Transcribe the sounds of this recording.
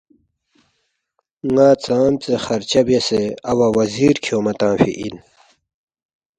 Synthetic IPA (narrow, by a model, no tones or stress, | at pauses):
ŋaːt͡saːmt͡sexɐɾt͡ɕɐbeseɐwɐwɐziːɾkʰjoːmɐt̪ãːfḭʔin